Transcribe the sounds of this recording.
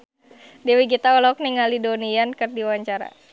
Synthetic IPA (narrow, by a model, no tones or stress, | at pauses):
dɛwiɡit̪aɔlɔk̚niŋalidoniankərdiwaɲt͡ʃaɾa̰